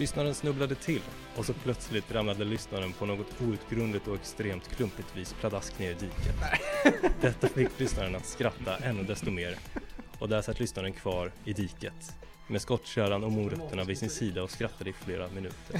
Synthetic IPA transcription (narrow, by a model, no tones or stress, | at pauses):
lʏsnaɾənsnɵblad̪ət̪ʰɪlː | ɔsɔpʰlœt̪slɪt̪ɾamnad̪əlʏsnaɾənpʰɔnoːɡɔt̪uːʉ̟ːt̪ɡɾɵnd̪ɪt̪ɔɛkst̪ɾeːmt̪kʰlɵmpɪt̪viːspʰlad̪askneːɾɪd̪iːkət̪ | d̪ɛt̪ːafɪkkːlʏsnaɾənat̪skɾat̪ʰːaʔɛnːɵd̪ɛst̪ɔmeːɾ | ɔd̪æʂat̪ːlʏsnaɾənkʰvɑːɾɪd̪iːkət̪ | meːskɔt̪ːʂæːɾanɔmuːɾœt̪ːəɳavɪsɪnsiːd̪aɔskɾat̪ːad̪əɪfleːɾamɪnʉ̟ːt̪ʰəɾ